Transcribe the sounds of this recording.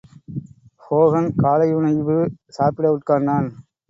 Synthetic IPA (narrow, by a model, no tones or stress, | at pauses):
hoːɣɐnkaːlɐɪɯnɐɪʋɯsaːpɪɽɐʊʈkaːnd̪aːn